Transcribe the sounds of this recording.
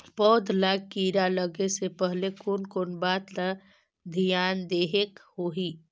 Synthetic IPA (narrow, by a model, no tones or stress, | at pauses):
pɔːd̪ʱlakiɾaləɡesepəɦlekonkonbaːt̪la | d̪ʱijaːnd̪eːɦekhoːɦi